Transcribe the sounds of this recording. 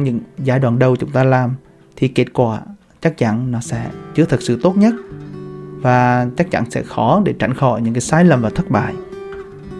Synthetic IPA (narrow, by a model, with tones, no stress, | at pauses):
ɲɨ̰˧˥ŋzaː˧˩jɗwaː˧˨nɗə˨˩wt͡ɕʊ˨˦ŋ͡mt̪aː˧laː˨˩m | t̪ʰi˨˩ke˦˥t̚kwaː˧˩ | t͡ɕa˦˥k̚t͡ɕa˧˥nnɔ˨˦sɛ̰˧˥t͡ɕɨ˨˧˦ət̪ʰɨ˨˩k̚sɨ̰˧˨t̪o˦˥t̚ɲə˦˥t̚ | vaː˨˩t͡ɕa˦˥k̚t͡ɕa̰˧˥nsɛ̰˧˥xɔ˨˦ɗe˧˩t͡ɕa˧˩jŋ̟xɔ˧˨jɲɨ̰˧˥ŋkaː˨˦jsaː˨˦jlə˨˩mvaː˨˩t̪ʰə˦˥t̚ɓa̰ː˧˨j